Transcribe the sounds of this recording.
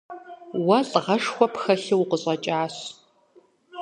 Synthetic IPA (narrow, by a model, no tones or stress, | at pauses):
wɐɬʼʁɐʂxʷɔpxɐɬɪwqəɕʼɐt͡ʃʼaːɕ